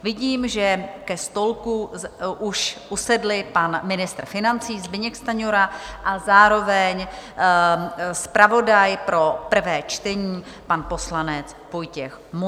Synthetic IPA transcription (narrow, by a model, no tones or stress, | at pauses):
vɪɟiːmʒɛkɛst̪o̞lkuʔuʃʔusɛdlɪpanmɪnɪst̪rfɪnant͡siːzbɪɲɛkst̪aɲoɾaʔazaːɾo̞vɛɲ | spɾavo̞dajpɾo̞pr̩vɛːt͡ʃt̪ɛɲiː | panpo̞slanɛt͡s | vojcɛxm